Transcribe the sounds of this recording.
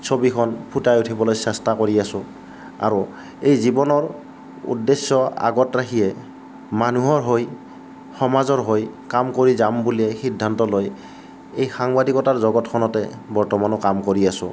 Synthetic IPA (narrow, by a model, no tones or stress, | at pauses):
sʰobikʰɔnpʰutajutʰibɔlojsɛstakoɹiasʊ̃ | a̰ɹu | ejzibɔnɔɹ | ṵdːesːɔa̰ɡɔtɹakʰijɛ | manuɦɔɹɦoj | xɔmazɔɹɦojkamkoɹizambuliɛxidʱːantɔloj | ejxaŋbadikɔtaɹzɔɡɔtkʰɔnɔtɛbɔɹtɔmanɔkamkoɹiasʊ̃